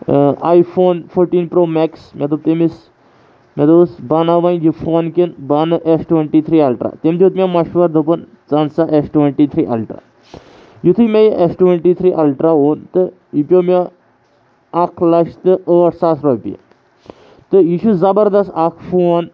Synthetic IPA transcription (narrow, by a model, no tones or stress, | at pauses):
ajfʰoːnfʰoɾʈiːnpɾoːmeksmʲet̪̬ub̚t̪emis | mʲet̪ɨsbɐnaʋainjifʰoːnkinbɐnɨʔesʈweɳʈit̪ʰɾiːɐlʈɾʔa̰t̪emd͡ʒ̪iːt̪mʲamɐʃʋɐɾd̪ɨpɨn | t͡sɐnsaʔesʈweɳʈit̪ʰɾiːʔɐ̰lʈɾa̰ | jut̪ʰɨmʲejiʔesʈweɳʈit̪ʰɾiːʔɐlʈɾaoːnt̪ɨ | ipʲjomʲa | ɐkʰlɐʃt̪ɨʔəːʈsaːsɾɔːpia̰ | t̪ɨjiʃuzɐbɐɾd̪ɐst̪akʰfoːn